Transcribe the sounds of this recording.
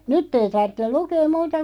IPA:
nytː ei tɑrtːel lukeːm muːtɑ

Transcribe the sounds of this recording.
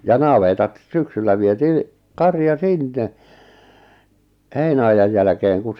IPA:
jɑ nɑʋetɑt syksylːæ ʋietiː kɑrjɑ sinːe heinæɑjɑj jælæ̆keːŋ kun̞

